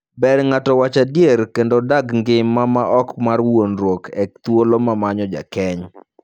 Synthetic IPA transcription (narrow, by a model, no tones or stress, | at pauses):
bɛɾŋatɔwat͡ʃadjeɾkendodaɡŋɡɪmːamaʔɔkmarwonɾwokʰɛkt̪wolomamaɲɔd͡ʒa̰kɛɲ